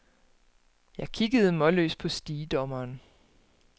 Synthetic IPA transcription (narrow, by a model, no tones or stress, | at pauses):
jɑ̈ɪkʰiɡ̥əð̞̩ˠmɒ̽lø̰ːspʰɒ̽sd̥iːd̥ɒ̽mɐːn